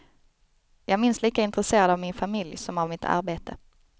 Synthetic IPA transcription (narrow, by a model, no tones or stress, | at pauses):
jɑːɡmɪnsliːkaɪnt̪ɾəseːɾad̪avmɪnfamɪljsɔmavmɪt̪ʰa̰ɾbeːt̪ʰə